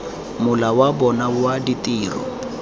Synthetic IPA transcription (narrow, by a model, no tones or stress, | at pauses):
mʊlawabɔnaʊaditʼiːrɔ̰